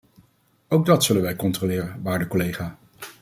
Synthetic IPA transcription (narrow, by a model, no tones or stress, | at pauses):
owɡ̚dɑtsɵlənʋɛjkɔntrolɪːrənʋaːɹdəkɔlejχaː